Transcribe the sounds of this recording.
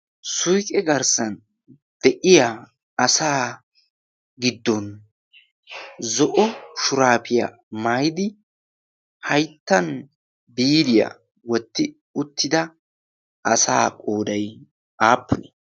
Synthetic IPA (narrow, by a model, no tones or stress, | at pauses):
sʊjkʼɛɡɐɾsɐn | d̪̥ɛʔɪja | ɐsaː | ɡɪd̪ːɔn | zɔʔɔʃʊɾaːpɪja̰ | maːjɪd̪ɪ | hɐjt̪ːɐn | biːd̪ɪja̰ | wɔt̪ːɪ | ʊt̪ːɪd̪ɐ | ʔɐsaːkʼoːd̪ɐj | aːpːʊnɛ